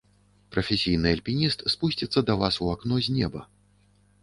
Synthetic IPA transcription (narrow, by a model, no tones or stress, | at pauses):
pɾʔɐfʲɛsʲijnɨɐlʲpʲinʲist̪spusʲt͡sʲit̪sːɐd̪ɐvasuaknɔzʲnʲɛbɐ̰